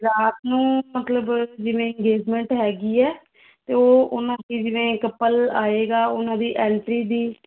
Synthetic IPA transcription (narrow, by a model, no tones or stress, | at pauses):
ɾaːt̪nũːmət̪ləbd͡ʒɪʋẽːɪ̃ŋɡeːd͡ʒmɛ̃ːɳʈɦɛːɡiːɛː | t̪eːoːʊnãːd̪iːd͡ʒɪʋẽːkəpːəlaːeːɡaːʊnãːd̪iːʔɛːɳʈɾiːd̪iː